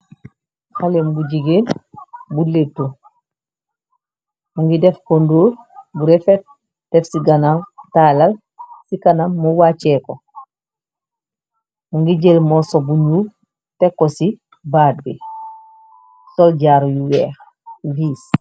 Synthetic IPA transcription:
xalembuɟiɡeːnbuletːu | muŋɡidɛfkonduːlbuɾefet̚ | d̥ɛfsiɡanamtaːlal | sikanamːuwat͡ʃeko | muŋɡiɟelmosobuɲuːl | tekːosi | baːd̚bi | solɟaɾjuwɛːx | viːs

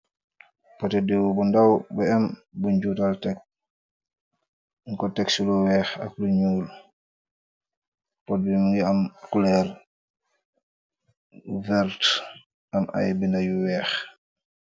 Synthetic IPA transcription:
pɔtɛdiwubundawbɛɛmbuɲd͡ʒuːtaltɛk̚ | ŋkɔtɛksuluwɛːxa̰k̚luɲuːl | pɔt̚bimuŋɡiamkulɛɾ | vɛɾt | ʔamʔa̰jbindajuwɛːx

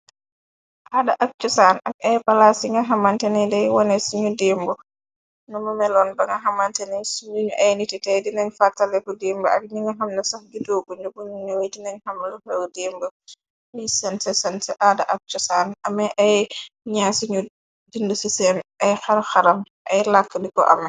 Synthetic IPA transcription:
ʔaːdɐʔɐk̚t͡ʃusaːnɐk̚ɐjbɐlasiŋɡɐɦɐmɐntɛnɛdɛjwɔnɛsiɲudiːmbu | numɐmɛlɔːnbɐŋɡɐɦɐmɐntɛnɛsuɲuɲuʔɐjnititɛjdinɐɲfartɐlɛkudiːmbɐɐ̰k̚niŋɡɐɦɐmlɐsɐxɡidoːɡuɲubunɲuwɛdinɐɲhɐmlufɛwdimbə | nisɐnsɛsɐnsɛʔadɐʔɐk̚t͡ʃusaːnɐmɐʔɐjɲaːsiɲu | dindusisɛmɐjxɐɾxɐɾɐm | ʔɐjlakːədikɔ̰ʔɐ̰m

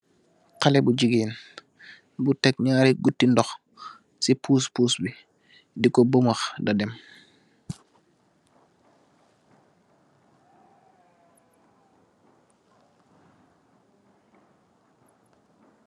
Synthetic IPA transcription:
qalɛbuɟiɡiːn | butɛk̚ɲaːɾiɡutːindɔx | sipʰuːspuːsbi | dikɔbomaxdadɛm

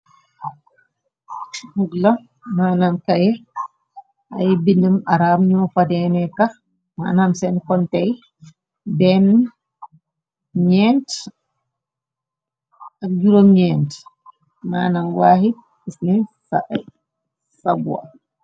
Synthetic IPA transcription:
huɡlɐ | maːnaːmkɐjɛ | ɐjbinːəmaɾamɲɔːfɐdɛnɛkɐ | ma̰ːnamsɛnkɔntɛj | bɛn | ɲɛːnt | ɐk̚juɾomɲɛnt | maːnaːmwaːhi | isnɛsaʔ | sɐbwa̰

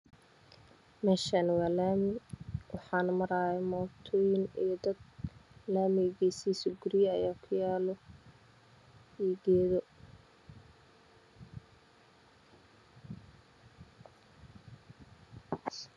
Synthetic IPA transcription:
mɛːʃanwaːlaːmɪwɑħɑːnmɐɾaːjɛmɔːt̪ʰɔːjɪnijd̪ɐd̪̚laːmɪɣiːsiːsʊɡʊɾɪjɐ̰jaːkʰʊjaːlɔ | iːɡɛːðɔ

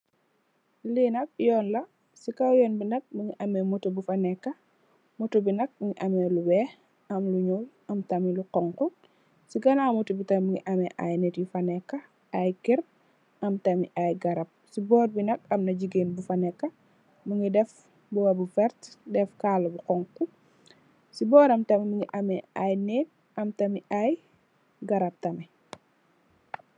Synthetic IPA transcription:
linɐk̚jɔːnlɐ | sikawjɔːnbinɐk̚buŋiʔɐmɛmutubufɐnɛkːɐ | mutubinɐk̚ŋiʔɐmɛluwɛː | ɐmluɲul | ɐmtɐmiluqɔŋku | siɡɐnamutubitɐmbuŋɡiʔɐmɛʔajnetjufɐnɛkːɐ | ajkiɾ̚ | ɐmtɐmiʔajɡɐɾɐp̚sibɔːt̚binɐk̚ɐmnɐɟiɡeːnbufɐnɛkːɐ | muŋɡidɛf | bɔwɐbufɛɾtdɛfkaːlɐbuqɔŋku | sibɔːɾɐmtɐmimuŋiʔɐmɛajnɛt̚ | ʔɐmtɐmiʔaj | ɡɐɾɐp̚tɐmi

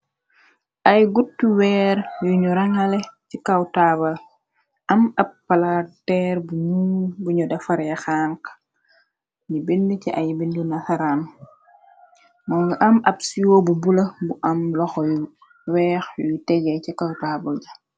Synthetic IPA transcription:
ʔɐjɡutːuwɛːɾjuɲuɾaŋɐlɛcikɐwtaːbɐl | ʔɐmɐpːɐlatɛːɾbuɲubuɲudɐfɐɾjɐxaːŋk | ɲibindəciʔɐ̰jbindunɐxaɾaːn | mɔɡʔɐmɐbsijoːbubulɐbuʔɐmlɔxɔju | wɛːxjujutɛɡɛcikawtaːbɐld͡ʒɐ

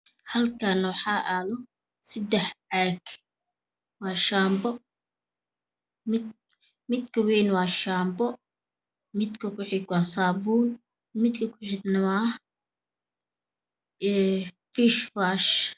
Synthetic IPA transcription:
hɐlkʰanɐwɑħɑːʔaːlɔ | sɪd̪ɛħʕaːɡ | wɑːʃaːmbɔ | mɪ | mɪd̪kʰɐwɛːnwɑːʃaːmbɔ | mɪd̪kʰɐkʰʊħɪɡwɑːsaːbuːl | mɪd̪kʰɐkʰʊħɪd̪nɐwaː | ɛfiʃfaːʃ

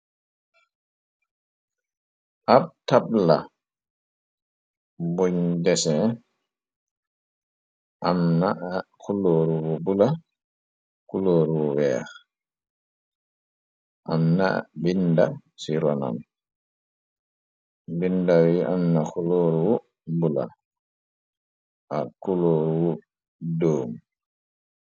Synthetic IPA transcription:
ʔab̚tabla̰ | boɲdɛsɛ | ʔamnaʔkuloːɾuwɔbula | kuloːɾuwɔwɛ̰ːɾ | ʔamna̰binda | siɾɔna̰n | bindawiʔamnaxuloːɾuwɔ | bula̰ | ʔakuloːɾuwɔ | doːm

